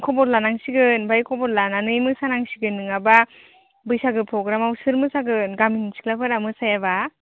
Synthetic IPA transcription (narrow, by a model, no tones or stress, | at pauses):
kʰɔbɔɾlanaŋsiɡɯnbajkʰɔbɔɾlananɯjmɯsanaŋsiɡɯnːɯŋaba | bɯjsaɡɯpʰɾɔɡɾamawsɯɾmɯsaɡɯnɡaminsi̥klapʰɯɾamɯsajaβa